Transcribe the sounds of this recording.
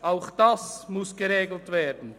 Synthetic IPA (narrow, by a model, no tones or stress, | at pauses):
ʔaʊxd̥asmʊsɡ̥əʁeːɡl̩tv̥eːɐdn̩